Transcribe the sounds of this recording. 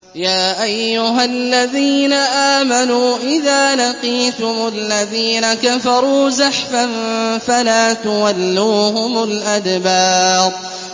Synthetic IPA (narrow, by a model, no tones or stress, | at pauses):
jaːʔajːʊɦalːaðiːnaʔaːmanuːʔɪðaːlaqiːt̪ʊmʊlːaðiːnakafɑɾˤuːzaħfanfalaːt̪ʊwalːuːɦʊmʊlʔad̪bɑːɾˤ